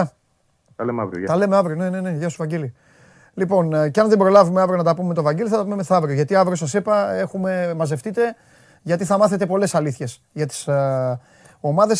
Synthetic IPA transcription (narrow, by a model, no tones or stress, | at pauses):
t̪ɐlemɐ̰vɾio̰t̪ɐle̞meɐvɾione̞ne̞ne̞ʝɐst̪uvɐɲɟeli | lipo̞nceɐnðebɾo̞lɐvume̞ɐvɾionɐt̪ɐpumemet̪o̞vɐɲɟeliθɐt̪ɐpumemesɐɐvɾioʝɐt̪iɐvɾios̬ɐsipɐe̞xume̞mɐze̞ft̪it̪e̞ | ʝɐt̪iθɐmɐθet̪e̞po̞le̞sɐliθçe̞s | ʝɐt̪i̥s | o̞mɐðe̞s